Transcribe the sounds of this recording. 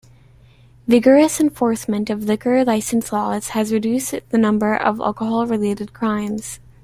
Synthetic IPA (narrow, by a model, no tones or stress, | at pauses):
vɪɡə˞ɨsɨ̃ɱfɔɹsmɨ̃ntʌvlɪkə˞laɪsn̩slɔz̥hɨzɹɨdʉsðɨnʌ̃mbə˞ʔʌ̰vɛ̰lˠkəɦɑlˠɹɨleɪɾɨd̚kʰɹ̥ãɪ̃mz̥